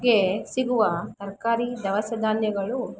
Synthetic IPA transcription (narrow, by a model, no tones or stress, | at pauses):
ɡesiɡuʋɐt̪ɐɾkaːɾid̪ɐʋɐsɐd̪ʱaːnjɐɡɐɭu